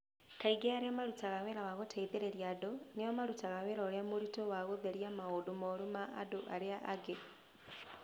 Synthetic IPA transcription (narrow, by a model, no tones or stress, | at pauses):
kaiɡeaɾeamaɾutaɣaweɾawaɣotʰeiðeɾeɾjadonejɔmaɾutaɣaweɾɔɾeamoɾitowaɣoðeɾjamaodomoɾumaʔa̰doʔaɾeaʔːɡe